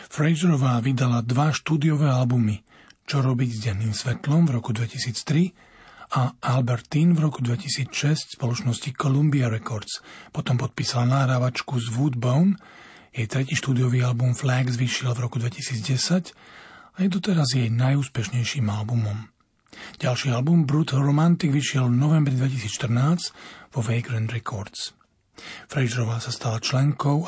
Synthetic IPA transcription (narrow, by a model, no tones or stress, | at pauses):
fɾɛʒɾɔʋaːʋid̪alad̪ʋaʃt̪uːd̪ijɔʋɛːalbumi | t͡ʃɔɾɔbiɟzɟɛnːiːmsʋɛt̪lɔmvɾɔkud̪ʋɛcisiːt͡st̪ɾi | aʔalbɛɾt̪iːnvɾɔkud̪ʋɛcisiːt͡sʃɛscspɔlɔt͡ʃnɔscikɔlumbiaɾɛkɔɾt̪t͡spɔt̪ɔmpɔt̪̚piːsalanaːɦɾaːʋat͡ʃkuzʋuːd̪bɔʊn | jɛjt̪ɾɛciːʃt̪uːd̪ijɔʋiːalbumflɛɡzʋiʃilvɾɔkud̪ʋɛcisiːd͡zɟɛsacajɛd̪ɔt̪ɛɾazjɛjnajuːspɛʃɲɛjʃiːmalbumɔm | ɟ̥alʃiːalbumbɾut̪ɾɔmant̪iɡʋiʃɪɛlvnɔʋɛmbɾid̪ʋɛcisiːt͡sʃt̪r̩naːt͡scʋɔʋɛɪɡɾand̪ɾɛkʰɔɾt̪s | fɾɛʒɾɔʋaːsast̪alat͡ʃlɛŋkɔʊ